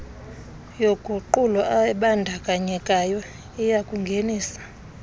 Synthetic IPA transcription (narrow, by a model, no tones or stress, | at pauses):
joɡ̥ʱuǃulɔʔaɓandʱakʼaɲɛkʼajɔ | ijakʼuŋɡʱeniːsḁ